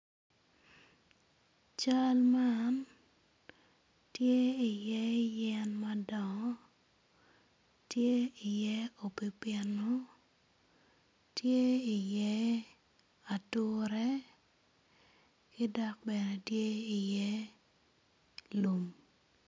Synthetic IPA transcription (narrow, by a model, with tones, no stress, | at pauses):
t͡ʃa˦lman | tje˦i˨jɛ˦jɛ˦nma˦dɔ˨ŋɔ˦ | tje˦i˨jɛ˦o˨pi˨pɪɛ˨no˦ | tje˦i˨jɛ˦ | a˨tʊ˦ɾɛ˦ | kɪ˦dɔ˦k̚bɛ˨nɛ˨tje˦i˨jɛ˦ | lu˨m